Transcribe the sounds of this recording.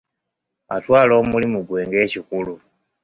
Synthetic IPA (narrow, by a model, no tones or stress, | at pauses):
atwaːlo̞ːmulimuɡwe̞ːŋɡe̞ːcikulu